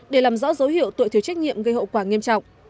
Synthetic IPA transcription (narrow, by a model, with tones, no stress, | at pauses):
ɗe˧˩laː˨˩mzɔ̰ː˧˥zə˨˦whḭ˧˨əwt̪o̰˧˨t̪ʰi˨˩t͡ɕa˦˥k̚ɲḭ˧˨əmɣə˧jɦə̰˧˨wkwaː˧˩ŋi˧əmt͡ɕɔ̰˧˨wŋ͡m